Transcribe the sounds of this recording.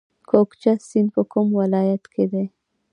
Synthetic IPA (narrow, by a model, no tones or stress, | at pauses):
kʰokt͡ʃasɪnpəkʊmwalɑjat̪kʰed̪e